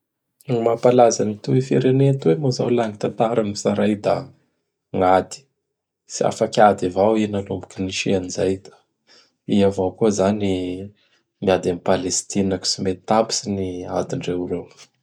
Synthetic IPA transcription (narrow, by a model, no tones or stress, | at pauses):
mapalazanit̪uifiɾenent̪wemozawlaŋit̪ant̪aɾanisaɾajd̪a | ŋad̪i̥ | sia̰fakʲad̪ivawinalumbu̥kiniʃianizajd̪ḁ | iavawkuzani | miad̪amipalest̪inaki̥simet̪abi̥sinia̰d̪iɳɖ͡ʐeuɾew